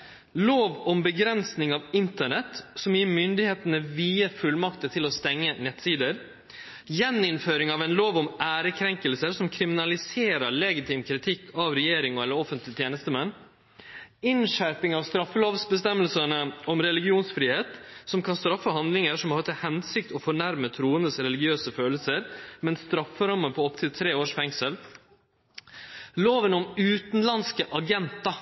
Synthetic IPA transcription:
loːʋɔmbəɡɾɛnsnɪŋɑʋɪnt̪əɳɛt̪ːsɔmjiːɾmʏnd̪ɪheːt̪ənəʋiːəfʉlmɑkt̪ət̪ʰɪlɔst̪ɛŋːənɛt̪siːd̪əɾ | jɛnɪnføːɾɪŋɑʋɛnloːʋɔmæːɾəkʰɾɛŋkəlsəɾsɔmkʰɾɪmɪnɑlɪseːɾəɭɛɡɪt̪ʰiːmkʰɾɪt̪ʰɪkʰːɑʋɾɛjeːɾɪŋɔɛlːəɾɔfənt̪lɪt̪ʰjeːnəst̪əmɛnː | ɪnʂæɾpɪŋɑʋst̪ɾɑfːəloːʋsbəst̪ɛmːəlsəɳəɔmɾɛlɪɡɪuːnsfɾiːheːt̪sɔmkʰɑnst̪ɾɑfːəɦɑnd̪lɪŋəɾʂɔmɑɾt̪ʰəhɛnsɪk̚t̪ɔfɔɳæɾmət̪ʰɾuːənəsɾɛlɪɡɪøːsəføːləlsəɾmɛnst̪ɾɑfːəɾɑmːəpʰɔɔpt̪ʰɪlt̪ʰɾeːoːʂfɛŋsəl | loːʋənɔmʉːt̪n̩lɑnskəʔɑɡɛnt̪ɑ

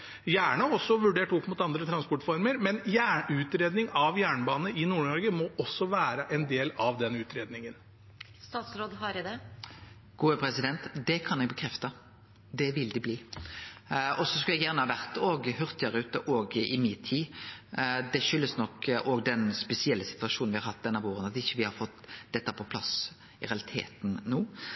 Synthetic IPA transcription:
jæːɳəɔsːɔʋʉɖeːʈɔpːmʊt̪ɑnd̪ɾət̪ʰɾɑnspɔʈfɔɾməɾmɛnjæːʉːt̪ɾeːd̪nɪŋɑʋjæːɳbɑːnəʔɪnuːɳɔɾɡəmɔɔsːɔʋæːɾəʔɛnd̪eːlɑʋd̪ɛnʉːt̪ɾeːd̪nɪŋən | st̪ɑːt̪sɾoːd̪ɦɑɾɪd̪ɛ | ɡ̥uːəpʰɾɛsɪd̪ɛnt̪d̪ɛkʰɑnɛɡ̚bəkʰɾɛft̪ə | d̪ɛʋɪld̪ɪbliː | ɔsɔskɑljɛɡjæʁnəhɑʋæʁt̪oːɡhœʁt̪jəːʁəʉːt̪əʔoːɡɪmɪt̪ʰːiː | d̪ɛʃʏlːəsnɔkʔoːɡd̪ɛnspɛsɪɛlːəsɪ̥t̪ʋɑʂuːnʋɪhɑɾhɑt̪̚ːd̪ɛnːɑʋoːɾənɑt̪ɪçːəʋɪhɑɾfɔt̪ːd̪ɛt̪ːəæɾpʰɔpʰlɑs | ɪɾɛɑlɪt̪ʰḛːt̪nnuː

